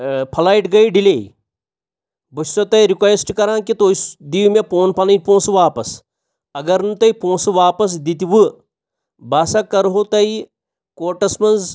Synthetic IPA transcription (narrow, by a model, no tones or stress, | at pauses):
pʰɐlaːiʈɡɐiɖileː | bɐssot̪ɐiɾikʋesʈkɐɾãːkit̪oːisd̪iːmepoːnpɐlɐ̃põːsʋaːpɐs | ɐɡɐɾnut̪ɐipõːsʋaːpɐs̬d̪it̪iʋɨ | baːsɐkːɐɾɦot̪ɐi | koːʈɐsmɐnz